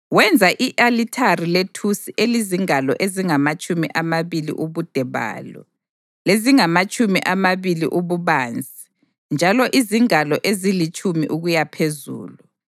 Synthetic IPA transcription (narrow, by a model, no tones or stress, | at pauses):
wɛnd͡zʱaʔiʔalitʰariletʰusiʔeliziŋalɔʔeziŋamat͡ʃʼumḭʔamaβilḭʔuβud̥ʱɛβa̰ːlɔ̰ | leziŋamat͡ʃʼumiʔamaβilḭʔuβuβand͡zʱi | nd͡ʒʱalɔʔiziŋalɔʔezilit͡ʃʼumḭʔuɣujapʰezṵːlu